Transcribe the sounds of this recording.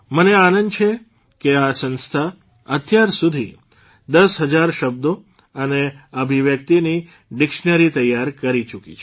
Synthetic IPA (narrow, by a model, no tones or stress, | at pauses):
məneanənd̪t͡ʃʰe | keasə̃nst̪ʰa | ət̪ʰjaɾsud̪ʱi | d̪əsɦəd͡ʒaɾʃəb̚d̪o | əneəbʱiʋjək̚t̪ini | ɖɪkʃnəɾit̪əjaɾkəɾit͡ʃukit͡ʃʰ